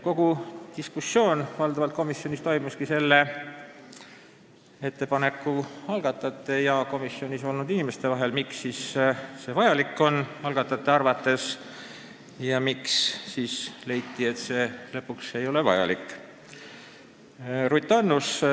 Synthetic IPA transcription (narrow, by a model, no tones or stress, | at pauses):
ko̞ɡ̥ut̪iskusːo̞ːnvɑld̪ɑvɑlt̪̚ko̞misːjo̞nʲist̪o̞jmuskise̞lːe | e̞t̪ːe̞pɑne̞kːˑuɑlɡ̥ɑt̪ːˑɑt̪ːˑe̞jɑko̞misːio̞nʲiso̞lnud̪̥inime̞st̪e̞vɑɦe̞lmiksːiːsse̞vɑjɑlikːˑo̞nɑlɡ̥ɑt̪ːˑɑt̪ːˑeɑrvɑt̪ːˑe̞s | jɑmiksːiːsle̞jt̪ːiet̪se̞ːlɤpːˑukse̞jo̞le̞vɑ̰jɑ̰likːˑ | rujt̪ːˑɑnːus